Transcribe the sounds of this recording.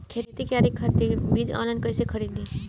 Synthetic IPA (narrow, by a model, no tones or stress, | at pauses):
kʰeːt̪ːt̪ikaːɾikʰəɾt̪ebiːd͡ʒɔ̰ːnlãːnkɐɪsekʰɐɾiːd̪d̪iː